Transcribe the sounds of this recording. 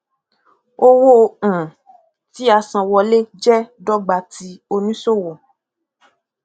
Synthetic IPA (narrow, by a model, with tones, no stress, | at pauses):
o˦wõ˦˧˨ | ti˨˦a˧sã˧wɔ˧le˦d͡ʒɛ˦dɔ˦ɡ͡ba˧ti˧˦o˧nĩ˦so˦˨wɔ˨